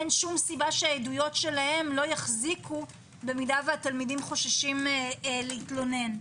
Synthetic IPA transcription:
enʃumsibaʃeajedujo̞tʃe̞lahe̞mlo̞jaχzikʰu | be̞midaveatalmidimχo̞ʃaʃimleitlo̞ne̞n

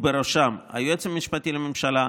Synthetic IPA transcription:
beɾoʃamha̰juet͡semːiʃpat̪ilememʃala

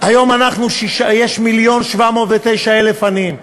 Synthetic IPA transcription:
ajo̞manaχnuʃiʃajeʃmiljo̞nʃvamo̞ːt̪vet̪ejʃaelefanim

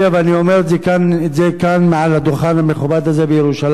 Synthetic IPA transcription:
aveaniomeɾzknzekanmeʕalad̪oχanhameχubad̪azebejeɾuʃal

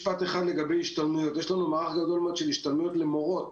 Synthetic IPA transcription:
pat̪eχad̪le̞ɡabe̞jiʃt̪almujo̞t̪jeʃlanumaːʁaχɡado̞lmod̪ʃeliʃt̪almujo̞t̪lemoʁo̞t

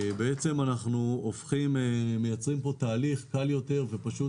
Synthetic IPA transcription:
beet͡se̞manaχnuofχimeme̞jat͡sʁimpo̞t̪aːliχkaljo̞t̪e̞ʁve̞paʃu

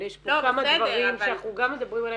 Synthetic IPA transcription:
jeʃpokamadvaʁimʃenaχnuɡamed̪abʁimala

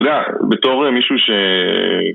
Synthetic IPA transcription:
d̪eabet̪o̞ʁmiʃuʃe

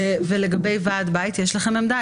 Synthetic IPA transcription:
veleɡabe̞jvaːd̪bait̪jɛʃlaχememd̪a

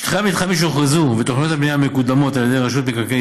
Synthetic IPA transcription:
χamit̪χamiʃ̬eoχezuvet̪oχnijot̪abnijamekud̪amo̞t̪aljed̪ejʁaʃut̪̚bikake

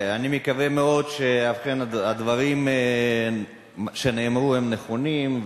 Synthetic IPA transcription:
animikavemeo̞d̪ʃeafχenaad̪vaʁim | ʃeneːmʁuhemneχonimv

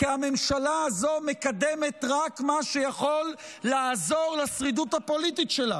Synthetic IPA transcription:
kiame̞mʃalaːzo̞mekad̪emetʁakmaʃejaχo̞lː | aːzo̞ʁlasʁid̪uthapo̞lititʃela

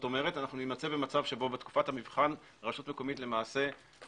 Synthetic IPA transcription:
to̞me̞ʁe̞tanaχnunimat͡se̞bemat͡savʃe̞bo̞bet̪ku̥fathamivχan | ʁaʃutme̞ko̞mitle̞maːse̞

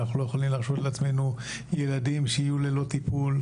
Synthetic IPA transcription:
aχnulo̞jeχolimlaʁʃo̞t̪leat͡sme̞nu | je̞ladimʃeijule̞lo̞t̪ipul

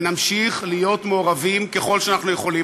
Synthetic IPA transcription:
namʃiχlijo̞t̪meoʁavimke̞χo̞lʃeanaχnuje̞χo̞li

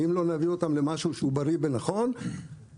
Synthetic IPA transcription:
imlo̞navio̞t̪amle̞maʃuʃeubaɾibenaχo̞n

